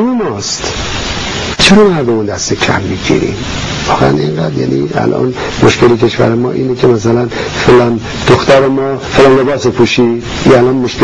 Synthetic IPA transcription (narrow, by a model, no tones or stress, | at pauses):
memɒːst̪ | t͡ʃʰe̞ɾɒːmæɾd̪omund̪æst̪ecʰæ̰mːiɟḭːɾḭːm | vɒːɣeæneŋɡæd̪jæ̰ːniæ̰lʔɒ̰n | moʃcelicʰe̞ʃvæ̰ɾemɒ̰ːʔiːnecʰemæs̬ælænfelæn | d̪̥oxt̪æɾemɒːfeːlænle̞bɒːsepʰuːʃiːd̪iælɒːnmoʃke